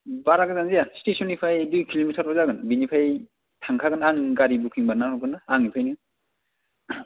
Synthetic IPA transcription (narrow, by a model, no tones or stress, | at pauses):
baɾaɡɯzanzijasi̥tesʰɔnːipʰajdujkʰilomitʰaɾɔzaɡɯnbinipʰaj | tʰaŋkʰaɡɯnaŋɡaɾibukʰiŋbanaɦɔɡɯnaaŋnipʰajnɯ